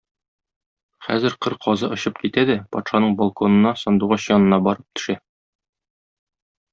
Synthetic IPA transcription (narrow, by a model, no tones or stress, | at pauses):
χæ̰zɘɾqɤɾqʰɒzɤʔŏɕɤpkit̪æd̪æpɒt̪ʃɑnɤɴbɒlˠkonɤ̆nɑsɒnd̪uʁɑɕjɒnɤ̆nɑbɒɾɤp̚t̪ʰɵ̥̆ʃæ